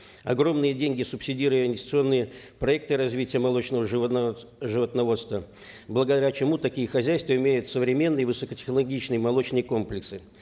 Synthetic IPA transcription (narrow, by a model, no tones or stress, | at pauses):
ɐ̰ɡɾo̞mnɨjədʲenʲɡʲɪsʊpsʲɪdʲiɾʊjəɪnʲsʲt̪ʲɪt̪sɨo̞nːɨjə | pɾɐɛk̚t̪ɨɾɐzvʲitʲɪjəmɐlˠo̞t͡ɕnəvəʐ | ʐɨvət̪nɐvo̞t̪st̪və | blˠəɡəd̪ɐɾʲat͡ɕɪmut̪ɐkʲijəxɐzʲæjst̪vəɪmʲejʊt̪səvɾʲɪmʲe̞nːɨjəvɨsəkətʲɪ̥xnəlˠɐɡʲit͡ɕnɨjəmɐlˠo̞t͡ɕnɨjəko̞mplʲɪksɨ